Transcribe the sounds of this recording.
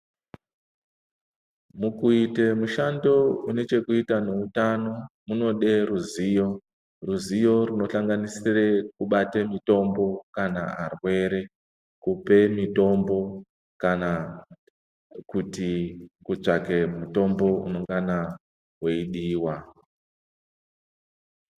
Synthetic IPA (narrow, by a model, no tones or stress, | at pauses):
mukuitemuʃando̞une̞t͡ʃe̞kuitane̞utano̞muno̞ɗe̞ɾuzijo̞ | ruzijo̞runo̞ɬaŋɡanisire̞kuɓatemito̞mbo̞kana̰arwe̞ɾe̞ | kupe̞mito̞mbo̞ | kana | kutikuʐake̞muto̞mbo̞ṵno̞ŋɡana | weiɗiːwa